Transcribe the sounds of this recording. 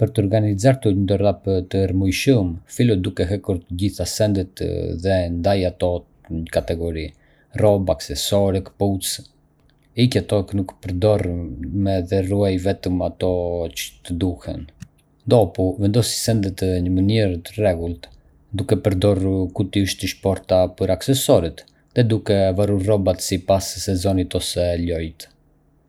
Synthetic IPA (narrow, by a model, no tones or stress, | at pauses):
pəɾt̪əɔɾɡanizaɾt̪uəd̪ɔrapt̪əɾmujʃumfilɔd̪ukɛɦɛkuɾt̪əɟiθasɛnd̪ət̪ðɛnd̪ajat̪ɔ | ɲəkat̪ɛɡɔɾi | rɔbaksɛsɔɾɛkput͡s | icɛt̪ɔknukpəɾd̪ɔrmɛðɛruajvɛt̪əmat̪ɔt͡ʃə̥t̪əd̪uhɛ̰n | d̪ɔpuvɛnd̪ɔsi̥sɛnd̪ət̪əɲəməniɾt̪ərɛɡulˠt̪ | d̪ukɛpəɾd̪ɔrukut̪iəʃt̪iʃpɔɾt̪apəɾaksɛsɔɾit̪ | ðɛd̪ukɛvaruɾrɔbat̪sipasːɛzɔnit̪ɔsɛʎɔjt̪